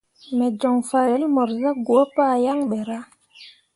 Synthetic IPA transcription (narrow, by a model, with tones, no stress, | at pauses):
mɛ˨d͡ʒɔ˨ŋfa˨ɾe˨˦lmɔ˨ɾza˦ɡu˨o˦pa˦˨ja˦ŋɓe˨ɾa˦